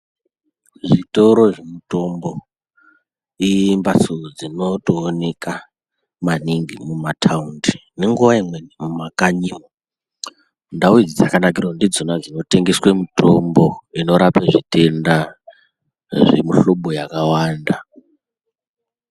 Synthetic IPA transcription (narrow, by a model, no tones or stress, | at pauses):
ʐito̞ɾo̞ʐemuto̞mbo̞ | imbasud͡zino̞toːne̞ka | maniŋɡimumatʰaundine̞ŋɡuʋaimwe̞nimumakaɲimo | ndauid͡zid͡zakanak̬irondid͡zonad͡zino̞te̞ŋɡeswemuto̞mbo̞ino̞ɾapeʐite̞nda | ʐḛmuɬoɓojakawaːnda